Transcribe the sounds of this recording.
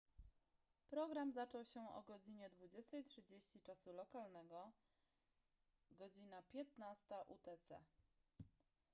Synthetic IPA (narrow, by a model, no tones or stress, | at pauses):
pɾɔɡɾamzat͡ʂɔwɕɛɔ̰ɡɔd͡ʑiɲɛd̪vud͡ʑɛst̪ɛjtʂɘd͡ʑeɕt͡ɕit͡ʂasulɔkalnɛɡɔ | ɡɔd͡ʑinapʲjɛt̪nast̪aʔut̪ɛt̪sɛ̰